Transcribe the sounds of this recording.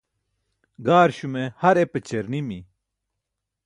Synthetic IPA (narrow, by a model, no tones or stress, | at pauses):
ɡaːɾɕumehɐɾepet͡ɕeɾnimḭ